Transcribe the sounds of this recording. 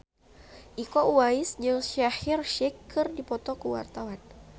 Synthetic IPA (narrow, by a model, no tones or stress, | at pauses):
ʔikɔuwaɪsd͡ʒɨŋʃahirʃɪkʰːɨrdipɔt̪ɔkuwa̰rt̪awan